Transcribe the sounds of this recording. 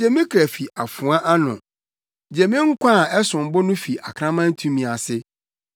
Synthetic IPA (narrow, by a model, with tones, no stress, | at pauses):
d͡ʑɛ˦mĩ˦kʰɾæ˨fi˨ʔa˨fʊ̃˨ã˦ʔa˦nʊ̰̃˨ | d͡ʑɛ˨mĩ˦ŋ̩˦kʷʰã˦˨ɛ˦sʊ̃˨m˨bɔ˦nʊ̃˦fi˨a˨kʰɾã˦mã˦n˦tʰũ˦mĩ˨a˨sɪ˦